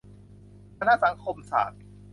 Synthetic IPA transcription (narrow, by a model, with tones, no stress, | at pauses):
kʰa˧na˦˥˩sa˩˦ŋkʰo˧msa̰ː˨˩t̪̚